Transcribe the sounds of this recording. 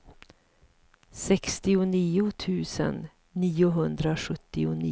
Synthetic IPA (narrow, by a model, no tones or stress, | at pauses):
sɛkst̪ɪʊniːʊt̪ʰʉ̟ːsə̰nː | iːʊɦɵnd̪ɾaɧɵt̪ːɪʊnḭː